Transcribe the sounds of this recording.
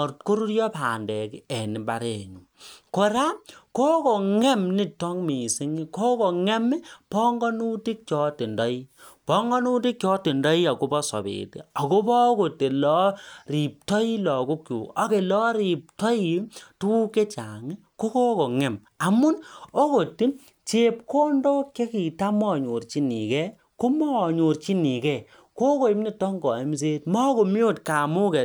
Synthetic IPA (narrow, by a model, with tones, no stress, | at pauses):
ɾt̚ko˦ɾu˦ɾjɔ˦paː˨ndɛ˨ki˦ɛ˨ni˨ba˨ɾɛ˨ɲu˨ko˨ɾa˦ko˦kɔ˨ŋɛ˦mni˦tɔ˦ŋmi˨si˦ŋi˦ko˦ko˨ŋɛ˦mi˦pɔ˦ŋɡɔ˦nu˦ti˦k̚t͡ʃɔ˨˦ti˨ndɔ˦i˦pɔ˦ŋɡɔ˦nu˦ti˦k̚t͡ʃɔ˦ti˨ndɔ˦i˦a˨ko˦bɔ˦sɔ̰˨bḛ˨tḛ˨a˨ko˦bɔ˦ko˨te˨lɔ˦ri˨p̚tɔ˦i˦lɔ˨ku˦kjṵ˨ɔ˦ke˨lɔ˦ɾi˨p̚tɔ˦i˨tu˦ke˦t͡ʃa˨ŋi˦ko˦ko˦ko˨ŋɛ˨m | a˨mu˦no˦ko˨ti˦ | t͡ʃe˨p̚ko˦ndɔ˦ke˦ki˨ta˦mɔ˦˨ɲo˨rt͡ʃi˦nḭ˨kɛ˦ | ko˦mɔ˦˨ɲo˨rt͡ʃi˦ni˨kɛ˦˨ | ko˦ko˨i˦mni˨tɔ˦ŋɡɔ˨i˦ms̬eː˦tmɔ˦ko˨mjo˦˨tka˨mu˦kɛ˨